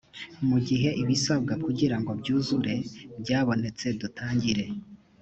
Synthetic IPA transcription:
muɟiɦe̞ʔiβisab̚ɡakuɟiɾaŋɡo̞bɟuːzuɾe̞bɟaːβo̞ne̞t͡se̞dutʰaːɲɟiɾe̞

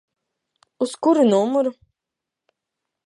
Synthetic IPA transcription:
uskuɾunuɔmuɾu

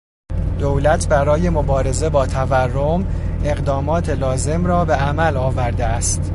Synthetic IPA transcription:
d̪̥owlæt̪ʰbæɾɒːje̞mobɒːɾe̞ze̞bɒːt̪ʰæværːom | e̞ɣd̪ɒːmɒːt̪ʰe̞lɒːze̞mɾɒːbe̞æmælɒːvæɾd̪eæst̪

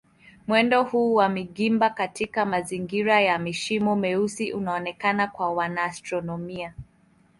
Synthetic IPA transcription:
mwɛndɔhuːwamiɠimbakatikamaziŋɡiɾajamiʃimɔmɛusiʔunaɔnɛkanakwawanaːstɾɔnɔmia

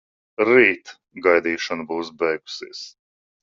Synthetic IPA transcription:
ɾiːt̪ | ɡajd̪iːʃanbuːs̬bɛjɡu̥siːs

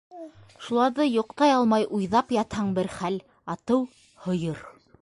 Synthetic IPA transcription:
ʃulˠɑɾðɤjŏqt̪ɑjɑlˠmɑjʔujðɑpjɑt̪hɑɴbɘɾχæl | ɑt̪ɤw | hŏjɤɾ

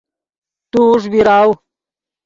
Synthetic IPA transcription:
t̪uʂ̬biɾaw

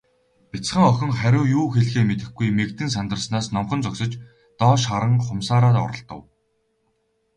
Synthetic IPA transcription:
pit͡sχə̆ŋœxʲɪ̆ŋχæɾʲʊːjuːxeɮxeːmet̪ɘ̆xɡujmekt̪ɘ̆ns̬ant̪ə̆r̆snaːsnɔmχɞ̆nt͡sɔksɞ̆t͡ɕ | t̪ɔːʃχaɾə̆ŋχʊmsaːɾaːt̪ɔ̰ɾɞ̆ɬt̪ɞ̆w

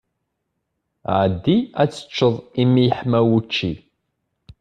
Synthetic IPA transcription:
ʕəd̪ːiæt͡sːə̥t͡ʃːəðˤimːijəħmæwut͡ʃːi

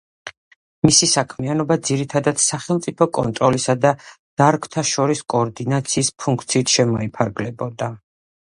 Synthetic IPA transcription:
misisakʰmianɔbad̪ziɾit̪ʰad̪at̪saχɛlˠt̪sʼipʰɔkʼɔ̰nt̪ʼɾɔlisad̪ad̪̥aɾkʰt̪ʰaʃɔɾiskʼɔːɾd̪inat̪sʰiːspʰuŋkʰt̪sʰiːt̪ʰʃɛmɔipʰaɾɡlɛbɔd̪a

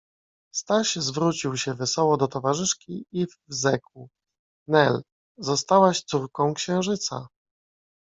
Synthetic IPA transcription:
st̪aɕzvɾut͡ɕiwɕɛvɛsɔwɔd̪ɔt̪ɔvaʐɘʂkʲiiv | zɛku | nɛl | zɔst̪awaɕt̪suɾkɔ̃w̃kɕɛ̃w̃ʐɘt̪sa̰

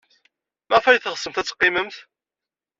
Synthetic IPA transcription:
mæʁfæjθəʁsəmθæt͡sːqːiməmθ

